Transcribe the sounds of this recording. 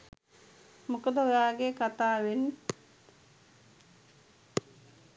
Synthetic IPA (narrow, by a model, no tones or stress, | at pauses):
mukəd̪əojaːɡekat̪aːʋenː